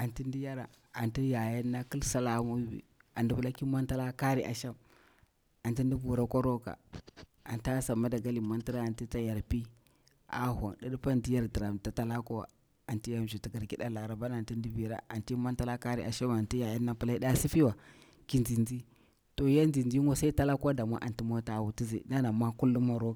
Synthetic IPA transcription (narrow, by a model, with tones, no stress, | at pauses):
a˨nti˦n˦di˦ja˦ɾa˨ | a˨nti˦ja˨ja˦nːa˦ki˦lsa˦la˨˦mu˦bḭ˨a˨ndi˦bu˨la˦ki˦ma˦nta˦la˦ka˦ɾi˨ʔa̰˨ʃa˦m | a˨nti˦ndi˦bu˨ɾa˦kʷa˦ɾo˦ka̰˨ | a̰˨nta˦sa˨mːa˦da˨ɡa˦li˨ma˦nti˦ɾa˦a˨ti˦ta˦ja˨ɾpi˦ | a̰˨˦hʷa˨ŋɗa˦ɗu˦pa˦ndi˦ja˦ɾdi˨ɾa˨m˨ta˨ta˦la˦ko˦wa̰˨ | a˨nti˦ja˦m˨d͡ʒu˨ti˨ɡa˨ɾki˦ɗa˦la˨ɾa˨ba˦na˨nti˦ndi˦bi˨ɾa̰˦a˨nti˦ma˦nta˦la˦ka˦ɾḭ˨ʔa˨ʃa˦ma˨nti˦ja˨ja˦nːa˨pu˦la˦i˦ɗa˦si˦fi˦wa˨ | ki˦nd͡zi˨nd͡zi˦ | to˨˦ja˦nd͡ʒi˨nd͡ʒi˦ŋo˦sa˦i˦ta˦la˦ka˦da˨ma̰˦ʔa̰˨nti˦mo˦ta˨wu˨ti˦zḛ˨˦na˦na˨mʷa˦ku˦lːu˦ma˦ɾo˦a˨